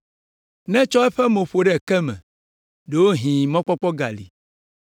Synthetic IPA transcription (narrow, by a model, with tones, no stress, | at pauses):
nɛ̃˦t͡ʃɔ˦ɛ˦ɸɛ˦mõ˨ɸo˨ɖɛ˦˨kɛ˦mɛ̰̃˨ | ɖe˨wo˦ɦĩ˨mɔ̃˦k͡pɔ˦k͡pɔ˦ɡa̰˨lḭ˨